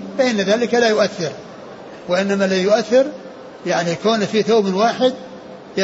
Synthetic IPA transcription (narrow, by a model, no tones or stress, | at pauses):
fɪʔɪnːaðaːlɪkalajʊʔaθːɪɾ | wɪʔɪnːamalajʊʔaθːɪɾ | jaʕnikoːnfiθoːbnwaːħɪd̪̚ | ja